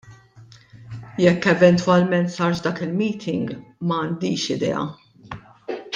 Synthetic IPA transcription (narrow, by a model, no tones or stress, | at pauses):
jɛkːɛvɛnt̪wɐlmɛnt̪sɐːɾʃd̪ɐːkɪlmiːt̪ʰɪŋɡmɐːnd̪iːʃɪd̪ɛ̰ːɐ̰